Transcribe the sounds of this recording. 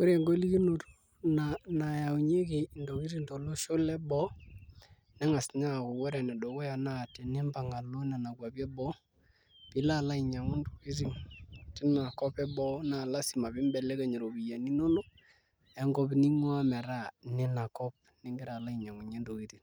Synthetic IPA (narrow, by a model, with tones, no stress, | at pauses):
ko˦ɾe˨ŋɡo˦li˦ki˦no˨to̥˦ | nana˨ja˨u˨ɲe˦kɪ˨ndo˨ki˦ɾi˦nto˨lo˦ʃo˦lɛ˦bɔ˦ | nɛ˦ŋa˨sɲa˦˨ko˨wɛ˦ɾɛ˨nɛ˨do˨ko˦ja˨na˦˨tɛ˨nɪ˦mba˨ŋa˨lo˦na˨na˨kwa˨pjɛ˦bɔ˦ | pɪ˨˦la˦˨la˦i˨ɲa˨ŋu˦ndo˨ki˦ɾ̬i˦tɪ˦na˨kɔ˦pɛ˦bɔ˦na˨la˦si˨ma˨bɪ˦mbɛ˨lɛ˦kɛ˨ɲe˨ɾo˨bi˨ja˨ni˦no˦no˦ | ɛ˦ŋɡɔ˦pni˦ŋɔ˦a˦mɛ˨ɾa˦˨nɛ˦na˨kɔ˦p̚ | nɛ˦ŋɡɪ˦ɾa˨la˦i˨ɲa˨ŋu˨ɲe˦ndo˨ki˦ti˨